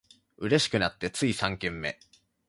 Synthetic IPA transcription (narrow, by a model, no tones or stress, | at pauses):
ɯ̟ɾe̞ɕi̥kɯ̟nat̪ːe̞t͡sɨisãŋkẽmːe̞̰